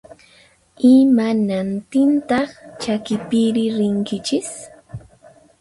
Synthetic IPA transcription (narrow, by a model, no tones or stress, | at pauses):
ɪmanant̪ɪnt̪ɑχt͡ʃakɪpɪɾɪɾɪŋkɪt͡ʃɪs